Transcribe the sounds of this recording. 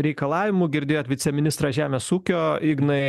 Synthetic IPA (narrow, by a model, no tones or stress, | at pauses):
ɾʲɛɪkɐlˠɑːʋʲɪmuːɡʲɪɾʲd̪ʲeːjoːt̪ʋʲɪsʲɛmʲɪnʲɪst̪ɾɑːʒʲæːmʲeːsuːkʲoːɪɡnɐɪ